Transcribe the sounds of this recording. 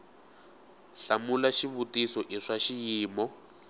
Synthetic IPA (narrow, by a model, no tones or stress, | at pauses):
ɬamulaʃiβutisɔʔiʂaʃijiːmɔ